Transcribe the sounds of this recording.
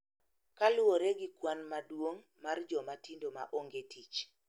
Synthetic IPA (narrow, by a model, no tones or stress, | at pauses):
kalʊoɾeɡikwanmadwoŋ | mard͡ʒɔmatindoma̰ʔoŋɡetʰit͡ʃ